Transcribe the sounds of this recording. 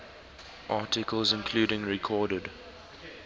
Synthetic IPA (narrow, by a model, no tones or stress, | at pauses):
ʔɑːˑtɪkəlzɪ̃nkʰl̥uːɾɪ̃ŋɹikʰɔːɾəd